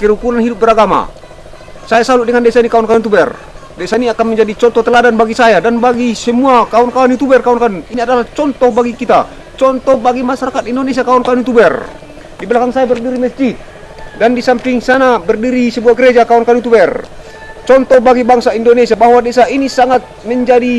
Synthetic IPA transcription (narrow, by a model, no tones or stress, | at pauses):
kəɾukunanɦidup̚bɛɾaɡama̰ | sajasaludɛŋandɛsainikaɔnkaunut̪̬ubɛr | dɛsainiakanməɲd͡ʒadit͡ʃɔnt̪ɔt̪əladanbaɡisajadanbaɡisəmuakaɔnkanut̪ubɛrkaɔnkanuiniadalaht͡ʃɔnt̪ɔhbaɡikit̪a̰ | t͡ʃɔnt̪ɔhbaɡimasaɾakat̪indonesiakaɔnkanut̪ubɛr | dibɛlakaŋsajabərdiɾimɛsd͡ʒit̪̚ | dandisampiŋsanabərdiɾisəbuaɡəɾed͡ʒakaɔnkanut̪ubɛr | t͡ʃɔnt̪ɔhbaɡibaŋsaindonesiabaɦwadɛsainisaŋat̪̚məɲd͡ʒadi